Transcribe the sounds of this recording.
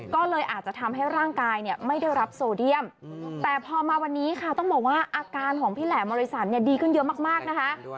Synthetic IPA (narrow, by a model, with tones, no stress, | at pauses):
kɔː˥˩lɤː˧jʔaː˨˩t̪̚t͡ɕa˨˩t̪ʰa˧mɦa˥˩jɾaː˥˩ŋkaː˧jni˥˩əma˥˩jda˥˩jɾa˦˥p̚soː˧di˥˩əmt̪ɛː˨˩pʰɔː˧maː˧wa˧nːiː˦˥kʰa˥˩t̪ɔ˥˩ŋbɔː˨˩k̚waː˥˩ʔaː˧kaː˧nkʰɔː˩˦ŋpʰiː˥˩lɛː˩˦bɔː˧ɾi˦˥sa˩˦t̪̚ni˥˩ɐdiː˧kʰɯ˥˩njɤ˦˥maː˥˩k̚maː˥˩k̚na˦˥kʰa˦˥